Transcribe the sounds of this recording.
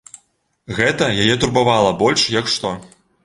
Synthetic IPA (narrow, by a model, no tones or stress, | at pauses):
ɣɛt̪ɐjajɛt̪urbavalˠɐbɔlʲʂjɐkʂt̪ɔ